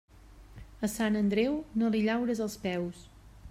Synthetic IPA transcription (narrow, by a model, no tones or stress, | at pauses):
əsanənd̪ɾɛwnoliʎawɾəzəlˠspɛws